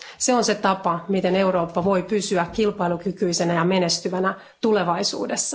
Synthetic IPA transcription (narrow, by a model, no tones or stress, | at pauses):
seonse̞t̪ɑpɑmit̪e̞ne̞uɾo̞ːpːɑʋo̞jpysyækkilpɑijlukykyisenæjɑme̞ne̞st̪yʋænæ | t̪ule̞ʋɑisṵːdesːɑ̥